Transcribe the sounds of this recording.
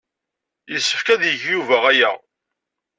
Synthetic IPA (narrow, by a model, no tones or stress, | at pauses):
jəsːəfkæðjəʝjuvæʁæjæ̰